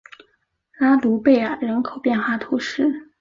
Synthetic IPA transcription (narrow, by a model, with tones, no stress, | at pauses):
la˥t̪u˧˥pe˥˩ɪa˨˩ɻə˧˥nkʰo˨˩ʊpjɛ˥˧nxwa˥˩t̪ʰu˧˥ʂɻ̩˥˩